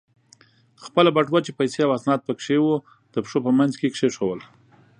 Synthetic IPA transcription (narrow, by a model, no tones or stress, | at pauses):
xpəlabaʈwat͡ʃepajseawasnɑd̪̚pəkʂewu | d̪̥əpʂopəmanzkekʂeʂawəl